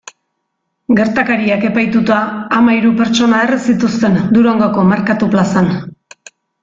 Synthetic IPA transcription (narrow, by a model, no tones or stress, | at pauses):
ɡe̞ɾt̪akaɾiake̞pajt̪ut̪aːmaiɾupe̞ɾt͡ʃo̞nae̞resit̪ust̪e̞nd̪uɾo̞ŋɡoko̞maɾkat̪uplasan